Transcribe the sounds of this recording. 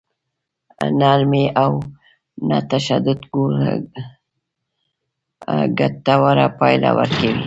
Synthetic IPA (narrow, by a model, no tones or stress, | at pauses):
nalmiʔaw | na̰t̪aʃad̪ʊd̪ɡuɾ | ɡat̪ːawaɾapajla̰wəɾkawi